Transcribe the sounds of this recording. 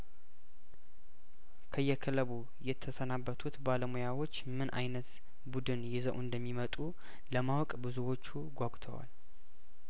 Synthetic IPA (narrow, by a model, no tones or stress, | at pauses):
kʰəjːɛkʰələβu | jɛt̪ʰːəsənabːət̪ʰut̪baləmujawo̞t͡ʃːmɨnʔa̰jnət̪ | bud̪ɨnjɪzəwɨnd̪əmːimət̪ʼu | ləmawkʼbɨzuwo̞t͡ʃːuɡʷaɡʷt̪ʰə̰wa̰l